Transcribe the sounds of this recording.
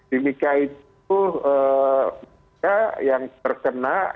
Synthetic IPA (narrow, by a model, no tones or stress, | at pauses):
d̥imikait̪ | ə | kajaŋt̪ərkənaʔ